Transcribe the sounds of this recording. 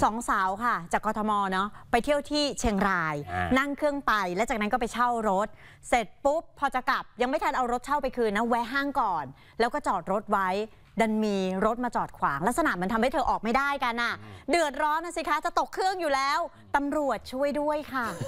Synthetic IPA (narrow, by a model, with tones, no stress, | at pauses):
sɔː˩˦ŋsaː˩˦wkʰa˥˩t͡ɕaː˨˩kːɔː˧t̪ʰɔ˧mɔː˧nɔ˦˥pa˧jt̪ʰi˥˩əwt̪ʰiː˥˩t͡ɕʰe˧ŋɾaː˧jna˥˩ŋkʰɯ˥˩əŋpa˧jlɛː˦˥wt͡ɕaː˨˩k̚na˦˥nkɔː˥˩p̬a˧jt͡ɕʰa˥˩wɾo˦˥t̪̚ | se˨˩t̪̚pu˦˥pʰːɔː˧t͡ɕa˨˩ka˨˩p̚ja˧ŋma˥˩jt̪ʰa˧nʔa˧wɾo˦˥t̪̚t͡ɕʰa˥˩wpa˧jkʰɯː˧nːa˦˥wɛː˦˥ɦaː˥˩ŋkɔː˨˩n | lɛː˦˥wkɔː˥˩t͡ɕɔː˨˩t̪̚ɾo˦˥t̪̚wa˦˥j | da˧nmiː˧ɾo˦˥t̪̚maː˧t͡ɕɔː˨˩t̪̚kʰwaː˩˦ŋlɛː˦˥k̚sa˧naː˨˩ma˩˧˦nʰa˧mha˥˩jt̪ʰːʔɔː˨˩k̚ma˥˩jdaː˥˩jka˧nʔa˨˩dɯ˨˩ət̪̚ɾɔː˦˥nʔa˧˥˩si˧˩kʰa˦˥t͡ɕa˨˩t̪o˨˩kʰːɯ˥˩əŋjuː˨˩lɛː˦˥w | t̪a˧mɾu˨˩ət̪̚t͡ɕʰu˥˩əjdu˥˩əjkʰa˥˩